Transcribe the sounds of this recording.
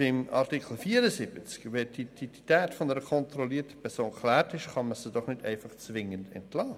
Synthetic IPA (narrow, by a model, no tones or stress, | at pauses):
ɪmɑ̰ɾtikl̩fiːəɾəsɪb̥ət͡skʋɛd̥id̥id̥itæːtfɔnəɾəkʰɔntɾɔliːɾtə̥pʰɛɾsoːnkʰlæːɾtɪʃχɑnməsid̥ɔχnɪdɛɪfɑχt͡sʋɪŋəndɛ̰ntlɑː